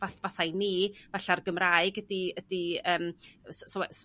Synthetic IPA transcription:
aθvaθajniːvɛɬarɡəmraɨɡədiədiəːmssɔwɛs

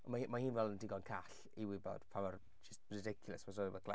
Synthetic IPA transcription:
ɔmamahiːnvɛlˠəndɪɡɔnkʰaɬ | iwɪbɔ̰d̥pʰamar | d͡ʒɪstrɪdɪkʰjʊlˠɛsvɔsɔivɔkʰla

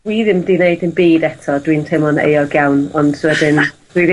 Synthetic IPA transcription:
wiðɪmdɪneɨdɪnbiːdɛtʰɔdwiːntʰɛmɔnḛjɔɡawnɔnd̥swɛdɪnd̥wið

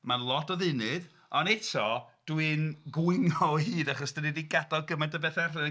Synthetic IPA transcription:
manlˠɔtʰɔðɨnɨð | ɔnɛtʰɔd̥wɨnɡwʊɨnɔhiːdaχɔsd̥ənidiɡadɔlˠɡəmɛndəbɛθɛrɨn

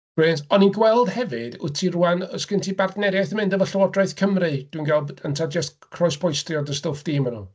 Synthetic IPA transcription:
ɪntɔninɡwɛlˠd̥hɛvɨd̥ʊ̰tʰiruanɔskɪntʰibardnɛɾjajθəmɪndəvəɬəwɔdrajθkʰəmrɨd̥winɡalˠbəntʰad͡ʒəst | kʰrɔjspʰɔjstrjɔdəstofd̥iːmənṵ

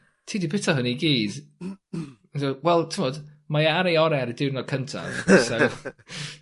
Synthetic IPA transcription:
tʰiːdipɪtʰɔɦəniɡiːz̥ | doːwɛlˠtʰəmɔd | majaaɾejɔɾɛɾdɪwnɔkʰəntʰa̰so

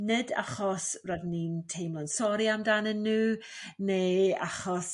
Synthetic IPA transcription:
nɪda̰χɔsradniːntʰejmlˠənsɔɾiamdanənːuː | neːa̰χɔs

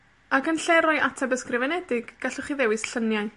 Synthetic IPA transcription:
akənɬɛɾɔjʔatʰabəskrɪvɛnɛdɪɡ̥ːaɬʊχiðɛwɨsɬənjaj

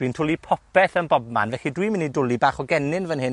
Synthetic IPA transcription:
d̥wintʰʊlˠipʰɔpɛθənbɔb̚ma̰nvɛɬidwimɪnidʊlˠibaːχɔɡɛnɪnvənhɨn

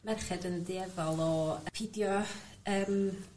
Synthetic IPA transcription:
mɛrχɛdəndeɛvalˠɔpʰidjɔ | əːm

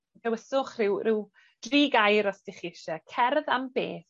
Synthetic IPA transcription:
dʰɛwəsʊχrɪwrɪw | d̥riːɡajɾɔsd̥ɪχiɪʃɛkʰɛrðamb̥ḛːθ

